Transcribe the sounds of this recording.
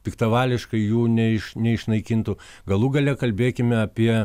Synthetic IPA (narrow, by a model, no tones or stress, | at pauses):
pʲɪkt̪ɐʋɑːlʲɪʃkɐɪjuːnʲɛɪʃnʲɛɪʃnɐɪkʲint̪ʊ | ɡɐlˠuɡɐlʲɛkɐlʲbʲeːkʲɪmʲɛɐpʲiɛ